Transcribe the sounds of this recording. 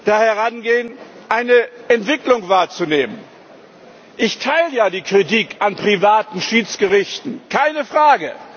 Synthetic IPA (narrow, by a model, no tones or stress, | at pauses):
d̥aːhɛʁanɡeːən | ʔaɪnəʔɛntv̥ɪklʊŋvaːɐt͡suneːmən | ʔɪçtʰaɪləjaːdiːkʁ̥itiːkʔanpʁ̥ivaːtn̩ʃiːt͡sɡ̥əʁɪçtn̩kʰaɪnəfʁ̥aːɡə